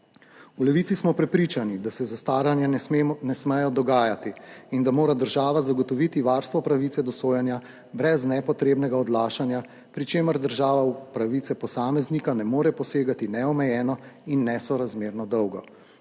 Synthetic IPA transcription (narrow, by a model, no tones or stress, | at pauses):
ulɛʋiːt̪sismɔpɾɛpɾiːt͡ʃanid̪asɛzast̪aːɾanjanɛsmɛjɔd̪ɔɡaːjat̪iːnd̪amoːɾad̪əɾʒaːʋazaɡɔt̪ɔʋit̪iʋaːɾst̪ʋɔpɾaʋit̪sɛd̪ɔsoːjɛnja | bɾɛznɛpɔt̪ɾeːbnɛɡaɔd̪laːʃanja | pɾit͡ʃeːməɾd̪əɾʒaːʋaupɾaʋiːt̪sɛpɔsaːmɛznikanɛmoːɾɛpɔseːɡat̪inɛɔmɛjɛːnɔinːɛsɔɾazmeːɾnɔd̪ɔwɡɔ